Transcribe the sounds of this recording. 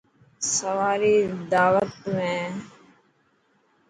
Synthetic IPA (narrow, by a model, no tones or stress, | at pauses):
səʋaːɾiːd̪aːʋət̪mẽː